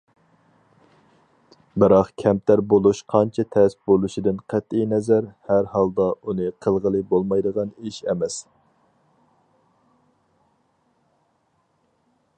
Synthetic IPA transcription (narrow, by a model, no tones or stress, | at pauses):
bɪɾɑqkʲʰɛmt̪ʰæɾbolˠuʃqʰɑnt͡ʃʰɛt̪ʰɛsɪ̥p̚bolˠuʃid̪ɪnqʰæt̪ijnɛzæɾhæɾhɑlˠd̪ɑunɨqʰəlˠʁəlˠɨbolˠmɑjd̪əʁɑniʃɛmɛs